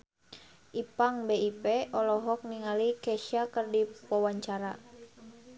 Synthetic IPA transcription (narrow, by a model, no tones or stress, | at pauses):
ʔipaŋbeipɛʔɔlɔɦɔk̚niŋalikɛʃakərdipɔwaɲt͡ʃaɾa